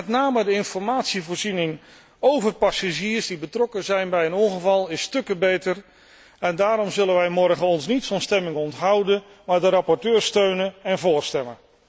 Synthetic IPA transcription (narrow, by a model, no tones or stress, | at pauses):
mɛtnaːmədəɪnfɔɹmaːtsivoːɹzinɪŋ | owvərpasaʒiːərsdibətrɔkəzɛjnbɛjənɔnχəvɑlˠɪstɵkəbejtər | ɛndaːɾɔmzɵlənʋɛjmɔrχəɔnsnitfɑnstɛmɪŋɔntɦɑwdən | maːɹdərɑpɔɹtøːstøɥnənɛnvʊːɹstɛmən